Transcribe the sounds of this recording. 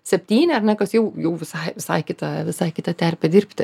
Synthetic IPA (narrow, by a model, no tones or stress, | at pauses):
sʲɛpʲt̪ʲiːnʲɛɐrnʲɛkɐsjɛʊjɛʊʋʲɪsɐɪʋʲɪsɐɪkʲɪt̪ɑʋʲɪsɐɪkʲɪt̪ɐt̪ʲærʲpʲɛdʲɪrʲpʲt̪ʲɪ